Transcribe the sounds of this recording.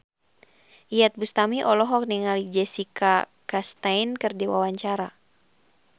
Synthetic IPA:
ʔijat̪̚bust̪amiʔɔlɔɦɔk̚niŋalid͡ʒɛsika | kast̪ainkɨrdiwa̰waɲt͡ʃaɾa

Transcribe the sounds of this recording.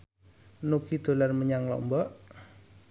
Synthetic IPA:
nukid̪̥o̤larməɲaŋlɔ̰ʔmbɔʔ

